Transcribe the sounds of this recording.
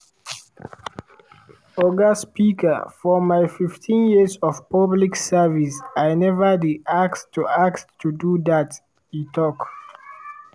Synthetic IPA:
ɔɡaspikə̰fɔmaɪfiftʰĩnjizɔvpabliksɛvisajnɛvədiʔakstːuakstʰːuduðat | itʰɔk

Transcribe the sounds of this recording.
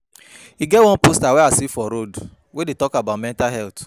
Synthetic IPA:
iɡɛwɔ̃npostawɛasifɔɾod | wedetɔkabaʊtmɛ̃ntaɦɛlt

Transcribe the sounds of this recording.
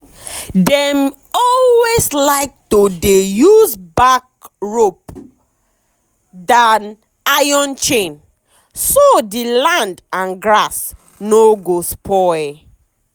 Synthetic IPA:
dɛm | ɔlweslaɪk̚todejuzbak̚ɹop | dan | ajɔ̃nt͡ʃẽn | sodilãndãnɡɹas | noɡospʰɔɪ

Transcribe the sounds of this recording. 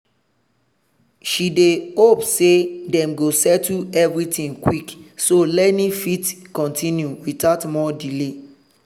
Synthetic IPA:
ʃidehopsedɛ̃mɡosɛtuɛvɹitĩŋkwiksolɛtnifitkɔ̃ntʰĩnjuwitatmɔdile

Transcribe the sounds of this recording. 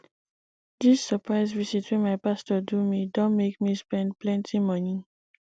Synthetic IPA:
disːəpʰɹaɪzvisitwɛ̃maɪpastɔdumidõnmekmispɛ̃nd̚plɛ̃ntʰimɔni

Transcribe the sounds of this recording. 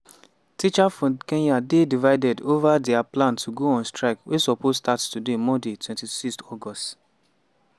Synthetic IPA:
tit͡ʃafɔ̃nkẽnjadedivaɪdɛdovadɛaplãntʰuɡoɔ̃nstɹaɪkwesɔposstattudemɔ̃detʰwɛ̃ntisikstɔɡɔst

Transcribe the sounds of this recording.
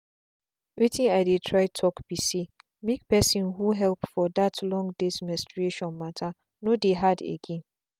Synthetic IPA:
wetʰĩnajdetʰɹaɪtʰɔkb̥ise | mek̚pɛsĩnɦuɦɛlpfɔdatʰlɔ̃ŋdesmɛ̃stɹeʃɔ̃nmatʰa | nodeɦadḛɡɛ̃n

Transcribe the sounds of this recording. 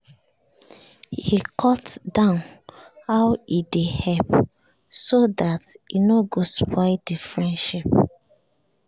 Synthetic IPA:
hikʰɔtdãʊnhaʊwidehɛp | sodatinoɡospʰɔɪdifɹɛ̃ndʃip

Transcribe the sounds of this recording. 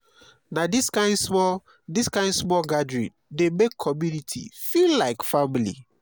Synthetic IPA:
nadiskãɪ̃ndsmɔ | diskãɪ̃ndsmɔlɡadɹĩndemekʰːɔmjunitʰḭfillaɪkfamilḭ

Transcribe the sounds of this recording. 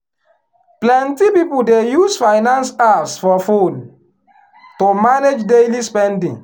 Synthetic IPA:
plɛ̃ntipipudejusfajnãnsapsfɔfud | tomaned͡ʒdelispɛ̃ndḭ̃ŋ

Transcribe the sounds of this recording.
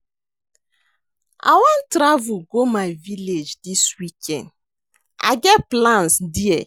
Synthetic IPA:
a̰wɔ̃ntɾavuɡomaɪviled͡ʒdiswikʰɛ̃nd | a̰ɡɛt̚plãnsdiɛ

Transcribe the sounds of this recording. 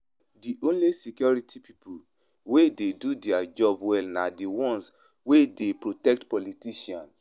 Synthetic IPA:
diʔõnlesikjɔɹitʰipipu | wededudɛad͡ʒɔbwɛlnadiwɔ̃ns | wedepɹotɛk̚tpɔlitiʃiãn

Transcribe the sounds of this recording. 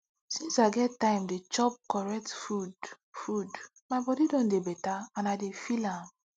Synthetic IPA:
sĩnsaɪɡɛtːãɪ̃mdet͡ʃɔp̚kɔɹɛk̚tfud | fud | maɪbɔdidõndebɛtaãnaɪdefilãm

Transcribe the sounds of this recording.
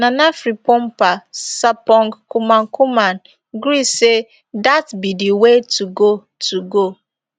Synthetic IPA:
nanafɾipɔm̩pasapɔŋɡkumaŋkuman | ɡɾise | datbidiwetuɡo | tuɡo

